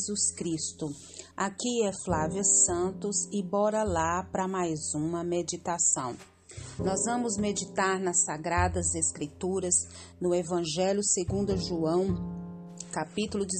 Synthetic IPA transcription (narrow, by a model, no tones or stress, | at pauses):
zuskɾist̪ʊ | akiɛflaviɐsɐ̃nt̪ʊzɪbɔɾɐlapɾɐmajzũmɐmed͡ʒit̪asɐ̰̃w̃ | nɔzvɐ̃mʊzmed͡ʒit̪aɾnɐsaɡɾad̪ɐzeskɾit̪uɾɐz | nʊevɐ̃ʒɛljʊseɡũnd̪ɐʒuɐ̃w̃ | kapit̪ulʊd͡ʒ